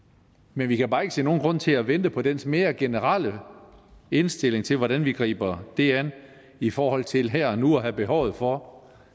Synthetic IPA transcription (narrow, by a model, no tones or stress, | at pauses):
menʋikʰæb̥ɑ̈ːe̝ɡ̥əse̝̰ːno̝ːnɡ̥ʁɔ̽n̰t͡sʰe̝læʋend̥əpʰɒ̽d̥ensme̝ːɐɡ̥e̝nəʁɑl̰ə | e̝nsd̥e̝l̰e̝ŋt͡sʰe̝lʋɒɾænʋiɡ̥ʁḭːb̥ɐd̥e̝æn | ifɒːhɒ̽l̰t͡sʰe̝lɦɛɐ̰nuɒɦæb̥e̝ɦɒʊ̰ð̞̩ˠfɒ̽